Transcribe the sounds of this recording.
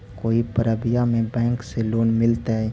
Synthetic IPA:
koːipəɾəbɪjamẽbɛ̃ːŋkseloːnmɪlt̪aɦɛː

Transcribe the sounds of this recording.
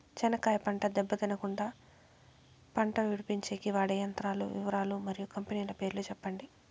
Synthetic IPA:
t͡ʃɛnɐkaːjɐpɐɳʈɐd̪ɛbːɐd̪inɐkuɳɖaː | pɐɳʈɐʋiɽupiɲt͡ʃeːkiʋaːɽɐjɐnt̪ɾaːlṵʋiʋɐɾaːlumɐɾijukɐmpeniːjlɐpe̞ːɾluːt͡ʃɛpːɐɳɖi

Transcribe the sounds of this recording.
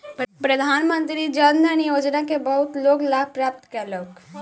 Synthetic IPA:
ppɾəd̪ʱanmənt̪ɾid͡ʒənənijod͡ʒnakebəɦut̪loɡlapɾap̚t̪kɛlək

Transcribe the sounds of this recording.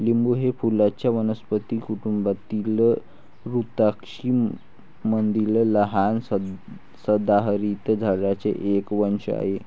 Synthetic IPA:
limbuɦefulat͡ɕjaʋənəspət̪ikuʈumbat̪ilə | ɾut̪akʂi | mənd̪ilələɦan | səd̪aɦɾit̪d͡zʱaɽat͡sḛʔekʋəɳʂə̰a̰ɦe

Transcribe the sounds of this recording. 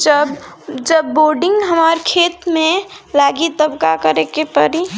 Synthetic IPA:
d͡ʒəbd͡ʒəbːoːɾɖɪ̃ŋɡɦəmaːɾkʰeːt̪mẽlaːɡit̪əbkakəɾekepəɾi

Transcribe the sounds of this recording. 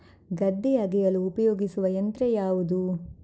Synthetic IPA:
ɡɐd̪ːijɐɡɛjɐluːpɐjoːɡisuʋɐjɐnt̪ɾejaːʋud̪u

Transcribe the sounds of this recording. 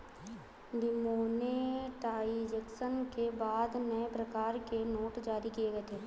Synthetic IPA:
d̪ɪmoːneʈaːid͡ʒeksənkebaːd̪nəepɾɐkaːɾkenoːʈd͡ʒaːɾikieɡəet̪ʰeː

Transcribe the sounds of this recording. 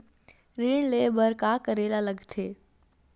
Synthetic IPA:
ɾiːɳ̃leːbəɾkakəɾeːlaləɡt̪ʰeː

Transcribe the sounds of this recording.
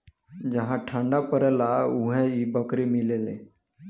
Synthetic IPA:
d͡ʒəɦãʈʰə̃ɳɖapəɾɛlaʊɦẽibəkɾemɪlelḛ̃ː

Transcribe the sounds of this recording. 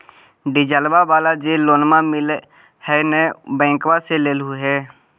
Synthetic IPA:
ɖɪd͡ʒəlbabaːlad͡ʒeloːnmamɪl | hɛnɛbɛ̃ːkwaseleːlɦuɦɛː

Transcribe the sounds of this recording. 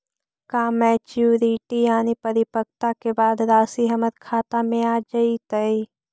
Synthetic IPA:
kaːmɛːt͡ʃuːɾiʈijaːnipəɾɪpək̚t̪akebaːd̪ɾaːsiɦɐmət̪kʰaːt̪amẽaːd͡ʒəit̪əi

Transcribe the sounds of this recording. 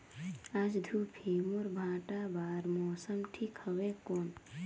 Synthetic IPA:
ad͡ʒd̪ʱupʰemoɾbʱãːʈabaːɾmɔːsəmʈʰikhəɣekoːn

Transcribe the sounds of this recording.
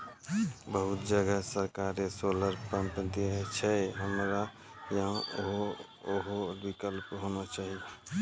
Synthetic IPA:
bəɦʊt̪̚d͡ʒəɡəsəɾkaɾesoləɾpəmpd̪iɦt͡ʃʰɛɦəmɾa | jəɦãɦo | oɦobikəlpɦonat͡ʃaːɦie

